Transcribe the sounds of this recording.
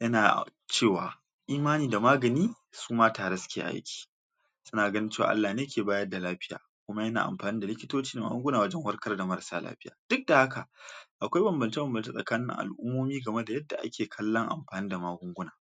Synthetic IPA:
jɐ˦na̰ː˨t͡ʃeː˦˨wa̰ː˨ | ʔiː˦maː˦niː˨da˨maː˦ɡɐ˨niː˦ | suː˦maː˦taː˨ɽe˦sʊ̥˦kʲḛː˨ʔa̰˦j̰kʲi̥˨ | sʊ˦naː˨ɡɐ˦nɪ˦t͡ʃeː˦˨w̰a̰˨ʔa˦lːaː˨neː˦kʲeː˨baː˦jɐ˦da˨laː˦ɸɪ˦ja̰ː˨ | kʷʊ˦ma˦jɐ˦na̰˨ʔa̰˨mɸaː˨niː˦da˨lɪ˦kʲɪ˦toː˦t͡ʃiː˦da˨ma̰ː˦ɡʊ˦ŋɡʊ˦naː˨wɐ˦d͡ʒɛ˦ŋwɐ˦rkɐ˦rda˨mɐ˦ɾsa̰ː˦la̰ː˦ɸɪ˦jaː˨d̥ʊ˦k̚da˨ha˦ka˨ʔa˨kʷa˦jbɐ˨mbɐ˨nt͡ʃe˦bɐ˨mbɐ˨nt͡ʃe˦sʼɐ̰˨kaː˦nɪ˦ɪ̰˦˨ŋʔa̰˨lʔʊ˦mːoː˦miː˦ɡɐ˨me˦da˨jɐ˦dːa̰˨ʔa̰˦kʲeː˨kʰɐ˦lːɐ˦ŋʔa̰˨mɸaː˨niː˦da˨maː˦ɡʷʊ˦ŋɡʷʊ˦naː˨

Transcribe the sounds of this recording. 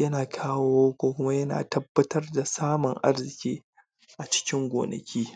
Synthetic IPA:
jɐ˦naː˨kʰaː˦woː˦kʷoː˦kʷʊ˦ma˦jɐ˦na̰ː˨tɐ˦bːɐ˦tɐ˦rda˨saː˦mʊ˨ŋʔa̰˦rzɪ˨kʲiː˦ | ʔa˨t͡ʃɪ̥˦kʲɪ˦ŋɡʷo̰ː˨nɐ̰˨kʲʰiː˦

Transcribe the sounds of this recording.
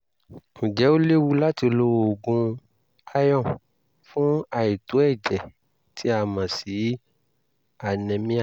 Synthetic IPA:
m̩̃˨d͡ʒɛ˨˦o˦le˦wu˦la˦ti˧lo˦˧wo˨ɡũ˧ | a˦jɔ̃˦˨ | fũ˦a˧i˨to˨˦ɛ˦˨d͡ʒɛ˨ | ti˦a˧mã˨si˨˦ | a˨nɛ̃˧mĩ˦a˦˨

